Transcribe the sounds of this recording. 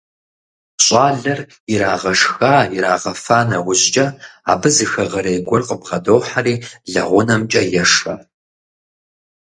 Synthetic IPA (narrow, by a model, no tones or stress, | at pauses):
ɕʼaːɮɐr | iɾaːʁɐʂxaːiɾaːʁɐfaːnɐwʷʊʑd͡ʒʼɐa̰ːbɨzɨxɐʁɐɾɐjɡʷɔrqʼəbʁɐdoːħariːɮɐ̰ʁʷʊnɐmt͡ʃʼɐjɛʂɐ